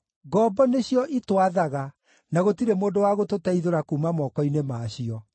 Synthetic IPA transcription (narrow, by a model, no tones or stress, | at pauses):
ɡɔbɔneɕijɔʔitwaðaɣa | naɣotiɾemoːndowaɣototɛiðoɾakuːmamɔkɔinemaːɕiɔ